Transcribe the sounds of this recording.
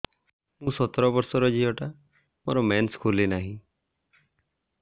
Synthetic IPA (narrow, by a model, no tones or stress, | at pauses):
mũsɔt̪ɾɔbɔɾsɔɾɔd͡ʒiɔʈa | mo̰ɾɔmɛnskʰulenaɦĩ